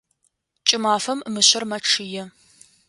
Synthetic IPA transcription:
t͡ʃʼɪmaːfɐmːɨɕɐrmɐʈ͡ʂʰɨjɛ

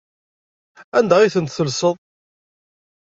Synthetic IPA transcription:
ænd̪æʁiθənt̪θəlsəðˤ

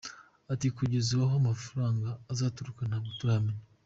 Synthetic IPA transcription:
atikuɟezuwaɦomafuɾaːŋɡaːzaːtuɾukanaɡotuɾameɲa

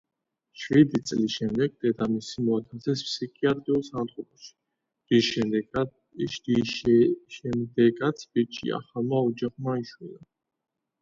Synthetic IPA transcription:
ʃvid̪it̪sʼlisʃɛmd̪ɛɡ̚d̪ɛd̪amisimɔat̪ʰasɛspsikʰʼiat̪ʼɾiulˠsant̪ʰχɔbɔʃi̥ | diʃɛ | ʃd̪i | ʃɛmd̪ɛɡat̪sʰbit͡ʃʼḭa̰χalˠmaɔd͡ʒaχmaiʃwila

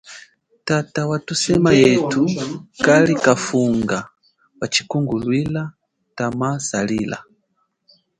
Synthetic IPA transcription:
tatawatusɛmajɛtukalikafuŋɡa | wat͡ʃikuŋɡulwila | tamasalila̰

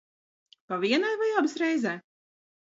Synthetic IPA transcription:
paviɛnajvajabɨsɾɛjzɛː

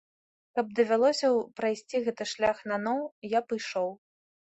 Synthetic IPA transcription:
kɐb̚d̪ɐvʲalˠɔsʲɐwpɾajsʲt͡sʲiɣɛt̪ɨʂlʲaxnanɔwjapɨjʂɔw

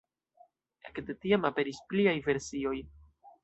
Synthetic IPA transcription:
ekde̞tiamape̞ɾispliajve̞ɾsio̞j

